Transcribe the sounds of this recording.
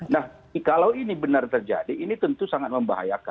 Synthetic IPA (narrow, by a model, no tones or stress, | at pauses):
nah | kalawinibənart̪ərd͡ʒa̰diːnit̪ənt̪usaŋat̪̚məmba̰ɦa̰jaka